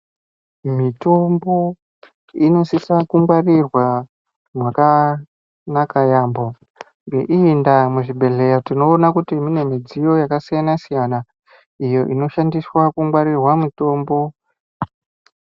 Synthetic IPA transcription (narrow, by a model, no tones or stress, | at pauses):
mito̞mbo̞ | ino̞sisakuŋɡwarirwa | mwaka | nakajaːmbo̞ | ŋɡe̞̰ʔiːndamuʐibʱe̞ɮe̞jatino̞ːnakutimine̞mid͡zijo̞jakasijanasijana | ijo̞ʔino̞ʃandiswakuŋɡwaɾirwamito̞ːmbo̞